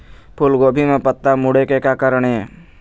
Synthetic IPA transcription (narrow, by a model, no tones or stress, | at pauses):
pʰʊlɡoːbʱimẽpət̪ːamʊɽekekakəɾəɽ̃ee